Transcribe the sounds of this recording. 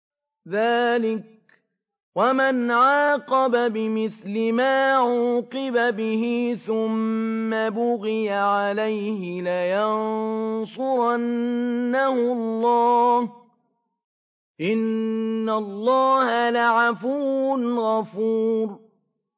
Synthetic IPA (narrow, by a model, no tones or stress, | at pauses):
ðaːlɪk̚ | wamanʕaɑːqɑbabɪmɪθlɪmaːʕuːqɪbabɪɦɪθʊmːabʊɣɪjaʕalajhɪlajɑnnsˤʊɾɑnnːahʊlːɑːh | ʔɪnːalˤːɑːhalaʕafuːnɣɑfuːɾ